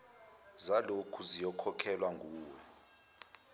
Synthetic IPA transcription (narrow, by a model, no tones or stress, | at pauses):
zalokʰuzijɔkʰɔkʰɛlwaŋʱuːwɔ